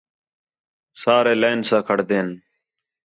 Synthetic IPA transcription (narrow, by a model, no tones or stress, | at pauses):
saːɾeːleːnsãːkʰəɽd̪eːn